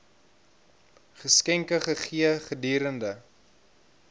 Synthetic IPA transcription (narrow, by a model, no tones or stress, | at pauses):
χəskɛŋkəχəχiəχədiːɾəndə